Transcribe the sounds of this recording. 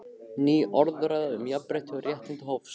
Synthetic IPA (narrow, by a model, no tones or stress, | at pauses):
niːʔɔɾðʏɾaːðaʏmjapɾɛjht̪ʰɪɔɾjɛht̪ɪnt̪ɪɦoːwfs